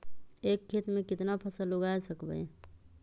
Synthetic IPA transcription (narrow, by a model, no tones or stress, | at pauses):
eːkʰːet̪mẽkɪt̪napʰəsəlːoɡaesəkbə̰